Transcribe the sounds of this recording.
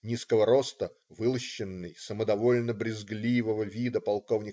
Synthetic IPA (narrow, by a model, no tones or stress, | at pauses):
nʲiskəvəɾo̞st̪ə | vɨlˠəɕːɪnːɨjsəməd̪ɐvo̞lʲnəbɾʲɪzɡlʲivəvəvʲid̪əpɐlˠko̞vnʲɪ